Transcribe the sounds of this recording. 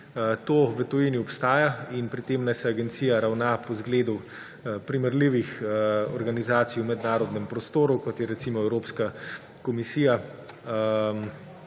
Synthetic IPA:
t̪oːʋɛt̪ɔjiniɔpst̪aːjainpɾit̪eːmnajsɛaɡɛnt̪sijaɾawnapɔzɡleːd̪uw | pɾiməɾliʋixɔ̰ɾɡanizaːt̪sijwmɛd̪naːɾɔd̪nɛmpɾɔst̪oːɾukɔt̪jɛɾɛt̪simɔɛwɾoːpska | kɔmisiːja | m

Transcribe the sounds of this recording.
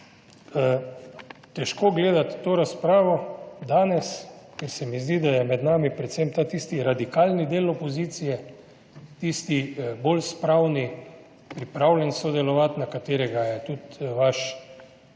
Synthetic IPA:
t̪ɛʃkoɡleːd̪at̪ːoːɾaspɾaːʋɔd̪aːnɛskɛɾsɛmizd̪id̪ajɛmɛd̪naːmipɾɛt̪sɛmt̪aːt̪ist̪iɾad̪ikalnid̪eːlɔpɔziːt̪sijɛ | t̪ist̪ibolspɾawni | pɾipɾawlʲɛnsɔd̪ɛlɔʋat̪nakat̪eːɾɛɡajɛt̪ut̪ʋaʃ

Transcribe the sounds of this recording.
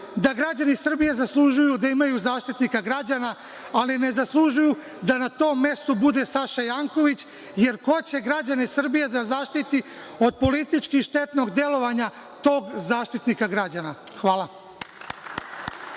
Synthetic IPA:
d̪aɡɾad͡ʑanisr̩bijezaslˠuʒujud̪aimajuzaːʃt̪it̪nikaɡɾad͡ʑanaː | line̞zaslˠuʒuju | d̪anat̪o̞ːmːe̞st̪obud̪e̞saʃajaːŋko̞ʋit͡ɕ | je̞ɾko̞t͡ɕe̞ɡɾad͡ʑanesr̩bijed̪azaːʃt̪it̪i | o̞d̪̚po̞lit̪it͡ʃkixʃt̪e̞t̪no̞ɡd̪e̞lo̞ʋaɲa | t̪o̞ːɡzaːʃt̪it̪nikaɡɾad͡ʑana | xʋaːlˠa

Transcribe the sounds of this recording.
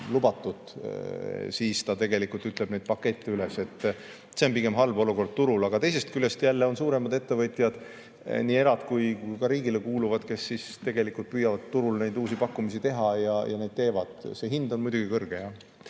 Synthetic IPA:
lubɑt̪ːˑud̪̥ | siːst̪ɑt̪e̞ɡe̞likult̪yt̪ˑle̞b̥ne̞jd̪̥pɑkːe̞t̪ʲˑːeylese̞t̪ː | seo̞npikɡe̞mɦɑlbo̞luko̞rd̪̥̚t̪uɾulɑɡ̥ɑt̪e̞js̬e̞st̪̚kyle̞st̪jælːeo̞nsuːɾe̞mɑd̪e̞t̪ːe̞vɤt̪ʲˑjɑd̪̥ | niːe̞ɾɑd̪̥kujkujkɑɾiːɡilekuːluvɑd̪̥ke̞sːist̪e̞ɡe̞likult̪̚pyjɑvɑd̪t̪ːuɾulne̞jd̪uːsipɑkːumisit̪e̞ɦɑjɑjɑ̰ne̞jd̪̥̚t̪e̞ːvɑd̪̥se̞ːɦind̪̥o̞nmujd̪uɡikɤrɡ̥ejɑ

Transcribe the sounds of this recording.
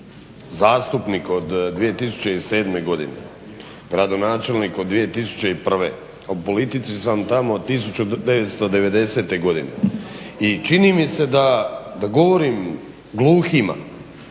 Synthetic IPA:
zaːst̪upniko̞d̪d̪ʋije̞t̪is̬u̥t͡ɕe̞ise̞ːd̪me̞ɡo̞d̪inḛ | ɡɾad̪o̞naːt͡ʃe̞lnikod̪ːʋije̞t̪isu̥t͡ɕe̞ipr̩ʋḛ | opo̞lit̪it̪sisamt̪amot̪is̬ut͡ɕud̪e̞ʋe̞t̪st̪o̞d̪e̞ʋe̞d̪e̞se̞t̪eɡo̞d̪inḛ | it͡ʃinimise̞d̪ad̪aɡo̞ʋo̞ɾim | ɡlˠuːxima̰

